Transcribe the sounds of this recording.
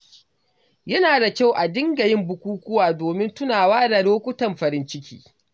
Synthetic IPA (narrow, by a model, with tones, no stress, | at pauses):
jɐ˦naː˨da˨kʲa˦˨wʔa˨dɪ˦ŋɡɐ˨jɪ˦mbʊ˨kʷuː˦kʷʊ˦waː˨doː˨mɪ˦ntʊ˦naː˨waː˦da˨ɽoː˦kʷʊ˦tɐ˨mɸɐ˨ɾɪ˦nt͡ʃɪ˦kʲḭː˦